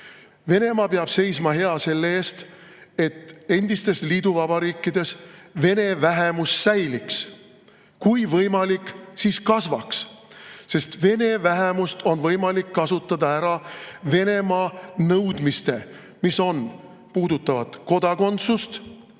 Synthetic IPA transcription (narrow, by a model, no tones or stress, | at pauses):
ve̞ne̞mɑpeɑb̥se̞jsmɑɦe̞ɑse̞lːeeːst̪ | e̞t̪ːe̞nd̪̥ist̪e̞sliːd̪uvɑbɑɾiːkˑːid̪̥e̞sve̞ne̞væɦemusːæjliks | kujvɤjmɑlikːˑsiskɑsvɑ̰ksse̞st̪ve̞ne̞væɦe̞must̪o̞nvɤjmɑlikːɑsut̪ːˑɑd̪ɑæɾɑve̞ne̞mɑːnɤwd̪mist̪e̞ | miso̞n | puːd̪̥ut̪ːˑɑvɑt̪ko̞d̪ɑko̞nt̪sust̪